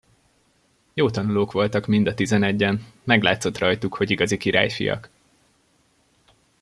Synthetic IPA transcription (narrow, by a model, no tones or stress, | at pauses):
joːt̪ɒnuloːkʋo̞lt̪ɒkmind̪ɒt̪izɛnɛɟːɛnmɛɡlaːt̪so̞t̪rɒjt̪ukho̞ɟiɡɒzikiɾa̰ːjfḭjɒ̰k